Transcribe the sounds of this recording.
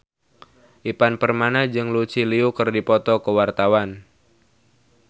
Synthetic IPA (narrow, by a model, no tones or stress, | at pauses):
ʔipanpərmanad͡ʒɨŋlut͡ʃiliukərdipɔt̪ɔkəwart̪awan